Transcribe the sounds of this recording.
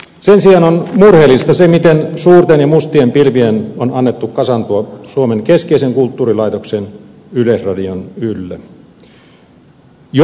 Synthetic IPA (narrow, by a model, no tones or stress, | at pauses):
sensiɑnonmurhelːist̪ɑsemit̪ensuːrt̪enjɑmust̪iempilʋienonɑnːet̪ːukkɑsɑnt̪uɑsuomeŋkeskeiseŋkult̪ːuːrilɑit̪oksen | ylesrɑdionylːæ | j